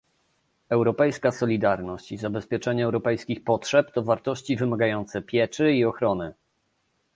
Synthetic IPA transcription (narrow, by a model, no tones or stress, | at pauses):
ɛwɾɔpɛjskasɔlʲid̪aɾnɔɕt͡ɕizabɛspʲjɛt͡ʂɛɲɛːwɾɔpɛjskʲixpɔtʂɛpt̪ɔvaɾt̪ɔɕt͡ɕivɘmaɡajɔnt̪sɛpʲjɛt͡ʂɘiɔxɾɔnɘ